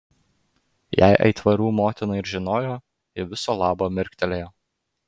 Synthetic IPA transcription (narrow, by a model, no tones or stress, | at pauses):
jæ̰ɪʔɐ̰ɪt̪ʋɐɾʲuːmoːt̪ʲɪnɐɪɾʒʲɪnoːjoː | ɪʋʲɪsoːlˠɑːboːmʲɪɾʲkʲt̪ʲɛlʲeːjoː